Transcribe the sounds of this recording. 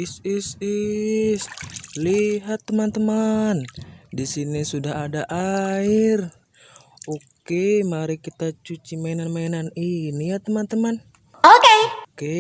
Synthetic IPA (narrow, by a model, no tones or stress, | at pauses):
isisisliɦat̪ːəmant̪əmandisinisudaɦadaʔair | okkemaɾikit̪at͡ʃut͡ʃimaɛnanmainaninijat̪əmant̪əman | okeke